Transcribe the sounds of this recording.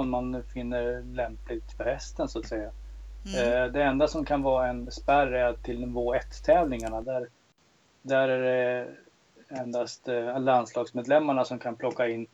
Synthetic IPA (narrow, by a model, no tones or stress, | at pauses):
ɔnmanfɪnːəɾlɛmplɪɡt̪pɔhɛst̪ənsoat̪sɛjːa | d̪ɛɛnd̪asɔmkʰanvɑːɾaɛnspæɾːɛɪld̪ɔmvoːɛt̪ːʰɛːvlɪŋaɳad̪æɾ | d̪æɾæɖɛ | ɛnd̪ast̪ɛlanslɑːɡsmeːd̪lɛmːaɳasɔmkʰanpʰlɔkːaɪnː